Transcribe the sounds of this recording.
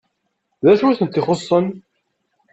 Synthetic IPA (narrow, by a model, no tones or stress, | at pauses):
ðæʃuθənt̪ːiχosˤːən